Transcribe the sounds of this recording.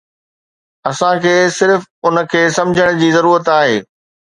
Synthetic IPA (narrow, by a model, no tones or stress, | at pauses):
ɐsãkʰeːsɪɾfʊnə̆kʰeːsɐ̃md͡ʑʱəɽ̃d͡ʑiːzɐɾuːɾət̪aːɦeː